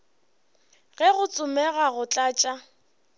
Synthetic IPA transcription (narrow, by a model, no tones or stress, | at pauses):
ɣɛɣʊt͡sʼʊmɛɣaɣʊt͡ɬʼaːt͡ʃʼa